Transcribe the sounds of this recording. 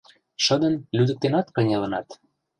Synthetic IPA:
ʃɤ̆d̪ə̆nlyd̪ə̆k̚t̪enɑt̪kɤ̆nʲelə̆nɑt̪

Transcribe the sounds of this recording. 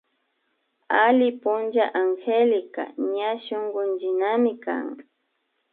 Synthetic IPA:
alɪpʊnd͡ʒaʔaŋxelɪka̰ɲaʃoŋɢʊnd͡ʒɪnamɪka̰ŋ

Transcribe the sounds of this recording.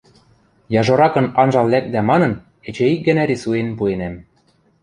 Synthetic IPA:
jɑʒoɾɑkɤ̆nɑnʒɑllæk̚d̪æmɑnɤ̆n | ĕt͡ɕĕik̚ɡɘ̆næɾisuenpuenæm

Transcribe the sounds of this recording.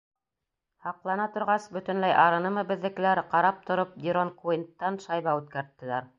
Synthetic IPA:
hɑqlˠɑnɑt̪ŏɾʁɑsbɵ̆t̪ɵ̆nlæjʔɑɾɤ̆nɤmɤbɘ̆ðːɘ̆k̆læɾqɑɾɑp̚t̪ŏɾop̚d̪ʲiɾonkuint̪ːɑnʃɑjβɑʉt̪kæɾt̪ːɘ̆læɾ

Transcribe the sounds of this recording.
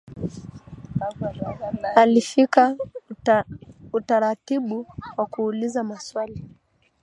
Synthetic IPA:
alifika | utaɾatiɓuwakuːlizamaswali

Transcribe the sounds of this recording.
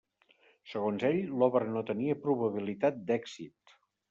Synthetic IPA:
səɣonzeʎlɔβəɾnot̪əniəpɾuβəβilit̪at̪̚d̪ɛɡzit̪

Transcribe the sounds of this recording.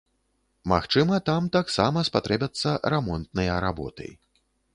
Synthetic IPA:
ma̰xt͡ʂɨmɐt̪amt̪aksamɐspat̪ɾɛbʲɐt̪sːɐɾɛmɔnt̪nɐjɐɾabɔ̰t̪ɨ̰j

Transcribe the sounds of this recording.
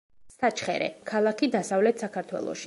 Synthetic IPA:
sat͡ʃʰχɛ̰ɾɛ̰kʰalˠakʰid̪asavlɛt̪ʰsakʰaɾt̪ʰwɛ̰lˠɔ̰ʃi

